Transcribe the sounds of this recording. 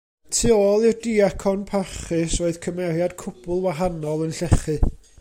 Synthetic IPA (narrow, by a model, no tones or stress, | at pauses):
tʰiːoːlˠɪrdiakʰɔnpʰaχɨsroːɨð̥kʰəmɛɾjad̥kʰʊb̥ʊlˠwaɦanɔlˠənɬɛχɨ